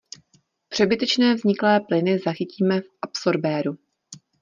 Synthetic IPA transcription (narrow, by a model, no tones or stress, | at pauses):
pr̥ɛbɪt̪ɛt͡ʃnɛːvzɲɪklɛːplɪnɪzaxɪciːmɛfʔapso̞ɾbɛːɾu